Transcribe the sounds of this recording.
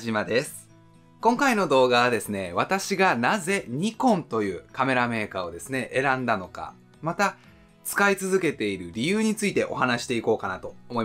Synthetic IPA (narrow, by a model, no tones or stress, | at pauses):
ʑimad̪e̞sɨ̥ | kõ̞ŋkaino̞d̪o̞ːɡaβad̪e̞sɨne̞β̞at̪aɕiɡanaze̞ɲ̟ikõ̞nt̪o̞jɯ̟ːkame̞ɾame̞ːkao̞d̪e̞sɨne̞ʔe̞ɾãnd̪ano̞ka̰ | mat̪a | t͡sɨ̥kait͡sɨzɨke̞t̪e̞iɾɯ̟ɾʲijɯ̟ːɲ̟it͡sɨit̪e̞ʔo̞̰ɦanaɕi̥t̪e̞iko̞ːkanat̪o̞omo̞i